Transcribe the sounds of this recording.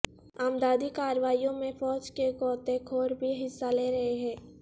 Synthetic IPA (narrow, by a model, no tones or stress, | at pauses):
aːmd̪aːd̪ikaːɾʋaːijõmẽfɔːd͡ʒkeɡɔːt̪ẽkʰoːɾbʱiɦɪsːaleːɾɐɦeɦɛ̃ː